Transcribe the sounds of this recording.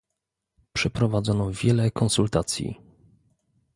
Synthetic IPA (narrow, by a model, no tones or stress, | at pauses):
pʂɛpɾɔvad̪zɔnɔvʲjɛlɛkɔnsult̪at̪sʲjḭ